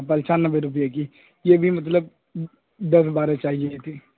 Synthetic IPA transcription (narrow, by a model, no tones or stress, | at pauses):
pɐlt͡ʃaːnːəbeɾʊp̬ijeki | jeːbʱimɐt̪̬ləb | d̪ɐsbaːɾet͡ʃaːɦieet̪ʰiː